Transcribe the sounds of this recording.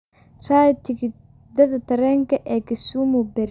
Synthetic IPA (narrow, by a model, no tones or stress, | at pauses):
raːt̪ʰɪɡɪ | d̪ɐðɐt̪ʰɐɾɛːŋkʰɐʔɛːkɪsumʊbɛɾ